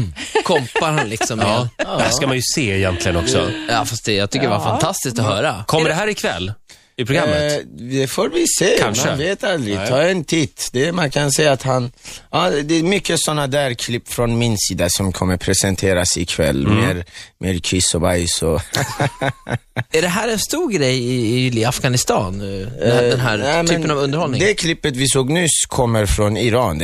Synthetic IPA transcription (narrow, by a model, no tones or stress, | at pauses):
kʰɔmpaɾhanlɪksɔmːjɑskamanjɵseːɛjɛnt̪ʰlɪɡənɔksɔ̰jɑːfast̪̚d̪ɛjɑːt̪ʰʏkːəɖɛaɾfat̪ʰast̪ɪskt̪ɔɦœːɾakʰɔmːəɖɛɦæːɾɪkʰvɛ̰lː | ɪpʰɾʊɡɾaməd̪ɛfoːɾvɪseːkʰanʂmaəveːt̪ald̪ɾɪt̪ʰɑːɛnt̪ʰɪt̪ːd̪ɛmankʰansɛjːaːt̪hanɑd̪ɛmʏkːəsɔnːad̪æːɾkʰlɪpːfɾɔnmɪnsiːd̪asɔmkʰɔmːəɾpʰɾɛsɛnt̪ʰeːɾasɪkʰvɛ̰lːmeːɾmʔeːɾkʰɪsɔvajsɔ | æɖɛɦæːɾɛnst̪uːɾɡɾɛjɪlafɡanɪst̪ɑːn | d̪ɛnɦæɾɛmɛnːpənavɵnd̪ɾhɔlnɪŋd̪ɛkʰlɪpːət̪vɪsoːɡnʉ̟ːskʰɔmːəɾfɾɔnɪɾɑːn